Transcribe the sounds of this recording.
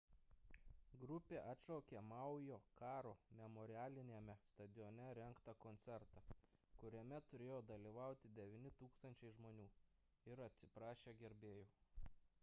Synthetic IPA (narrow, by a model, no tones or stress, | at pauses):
ɡɾʊpʲeːʔɐt̪ʃoːkʲeːmɑˑʊjoːkɑːɾoːmʲɛmɔːɾʲɪæːlʲɪnʲeːmʲɛst̪ɐd̪ʲɪjoːnʲɛɾʲɛŋkt̪ɐkɔnʲt̪sʲɛɾt̪ɑkʊɾʲɛmʲɛt̪ʊɾʲeːjoːd̪ɐlʲiʋɑˑʊt̪ʲɪd̪ʲɛʋʲiːnʲɪt̪uːkst̪ɐnʲt͡ʃʲɛɪʒmoːnʲuː | ɪɾɐt̪ʲsʲɪpɾɑːʃʲeːɡʲɛɾʲbʲeːjoː